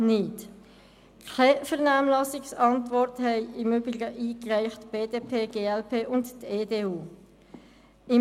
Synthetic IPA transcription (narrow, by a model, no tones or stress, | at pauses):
nɪt | kʰɛfɛʁnaːmlɑsɪksɑntvɔɾthɛɪɪmybɪɡəʔiːkʁæɪχtb̥eːd̥eːpʰeːɡ̥eːɛlpʰeːʔʊntteːdeːuː | ɪ